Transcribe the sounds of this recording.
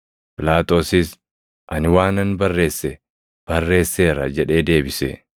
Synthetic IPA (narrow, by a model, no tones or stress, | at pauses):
pɪlaːt̪o̞ːsɪs | ʔɐnɪwaːnɐnbɐrːe̞ːsːɛ | b̥ɐrːe̞ːsːe̞ːɾɐ̰d͡ʒɛᶑe̞ːd̪e̞ːbɪsɛ̰